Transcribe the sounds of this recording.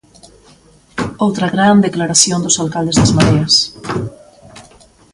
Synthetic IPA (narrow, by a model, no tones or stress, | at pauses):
owt̪ɾɐɣɾand̪eklaɾasjõnd̪ʊsalkald̪ezðazmaðeɐs